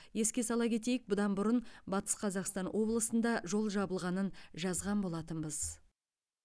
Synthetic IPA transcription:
je̞skʲe̞sɑlˠɑkʲʰe̞t̪e̞jɪk̚bʊd̪ɑnbʊɾənbɑt̪ə̥sqʰɑzɑqst̪ɑnwʔo̞blˠəsənd̪ɑʒo̞lˠʒɑbəlˠʁɑnənʒɑzʁɑnbo̞lˠɑt̪ənbəz

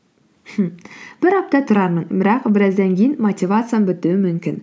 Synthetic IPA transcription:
h̩b̥ɪɾɑp̚t̪ɑt̪ʰʊɾɑɾməɴbɪɾɑqbɪɾæzd̪æŋkʲejɪnmot̪ʲivat̪sɨjabɵt̪ʉwɘmɵmkʲɪn

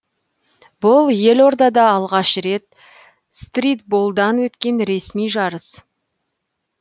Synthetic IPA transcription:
bʊlˠje̞lo̞ɾd̪ɑd̪ɑːlˠʁɑʃɾe̞t̪ | st̪rʲit̪̚bolˠd̪ɑnwɵt̪kʲe̞nɾe̞smijʒɑɾəs

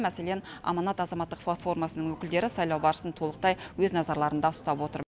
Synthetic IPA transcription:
mæse̞le̞nɑ̰mɑnɑt̪ɑzɑmɑt̪ːə̥q̚plˠat̪fo̞ɾmɑsənəɴŋwɵkʲɪld̪e̞ɾɪsɑjlˠɑwbɑɾəsənt̪ʰo̞lˠəq̚t̪ɑjwɵznɑzɑɾlˠɑɾənd̪ɑʊst̪ɑpwo̞t̪əɾ

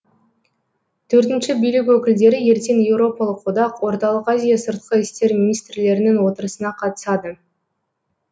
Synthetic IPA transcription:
t̪ʰɵɾt̪ɪnʃɪbijlɪk̬ʲwɵkʲɪld̪e̞ɾɪje̞ɾt̪e̞nje̞wɾo̞pɑlˠəqːod̪ɑqwo̞ɾt̪ɑlˠəqɑzijasəɾt̪̚qəɪst̪e̞ɾminijst̪ɾɪle̞ɾɪnɪŋwo̞t̪əɾəsənɑqʰɑt̪ə̥sɑd̪ə

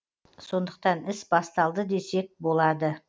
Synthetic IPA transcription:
so̞nd̪ə̥qt̪ɑnɪsbɑst̪ɑlˠd̪əd̪e̞se̞k̚bo̞lˠɑd̪ə

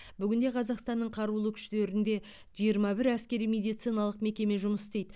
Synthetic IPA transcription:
bʏɡʲɪnd̪e̞qʰɑzɑqst̪ɑnːəɴqʰɑɾulˠəkʲʰʏ̥ʃt̪e̞ɾɪnd̪e̞ | ʒijəɾmɑbɪɾæskʲe̞ɾijme̞d̪ijt̪sijnɑlˠəqme̞kʲe̞me̞ʒʊməst̪ejd̪ɪ

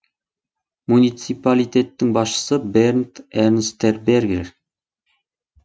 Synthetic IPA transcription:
munʲit̪sipalʲit̪ʲet̪ːɪŋbɑsʃə̥səbernt̪eɾnst̪erberɡeɾ

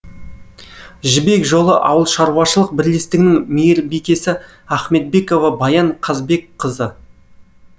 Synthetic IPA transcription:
ʒɪbe̞kʒo̞lˠəʔɑ̰wəlˠʃɑɾuwɑʃəlˠəq̚bɪɾle̞st̪ɪɡʲɪnɪŋmejeɾbekʲe̞sɪ | æχme̞t̪̚be̞ko̞vɑbɑjɑɴqʰɑzbe̞kqʰəzə

